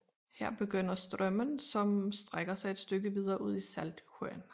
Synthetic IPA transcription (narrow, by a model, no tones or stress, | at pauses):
heɐ̰b̥e̝ɡ̥øn̰ɐsd̥ʁɶmənsɒ̽msd̥ʁeɡ̥ɐsɑ̈ɪed̥sd̥øɡ̥əʋið̞ˠɐːʔuð̞̰ˠisæld̥høɐn